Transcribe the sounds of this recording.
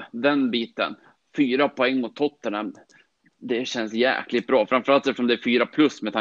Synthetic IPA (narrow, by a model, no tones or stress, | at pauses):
d̪ɛnbiːt̪ə̰n | fyːɾapʰɔɛŋːmʊt̪ʰːɔt̪ːəɳam | d̪ɛɕɛnsjæ̰ːklɪt̪bɾɑːfɾamfœɾalt̪ɛft̪əʂɔmd̪ɛæɾfyːɾapʰlɵsmɛt̪ʰa